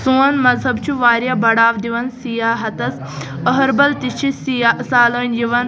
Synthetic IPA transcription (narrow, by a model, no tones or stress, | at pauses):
suːnmɐzɦɐbt͡ʃʰuʋaːɾjaːbɐɽaːʋd̪iʋɐnsijaːɦɐt̪ɐs | əɦɐɾbɐlt̪it͡ʃʰissaːlɐːnjiʋɐn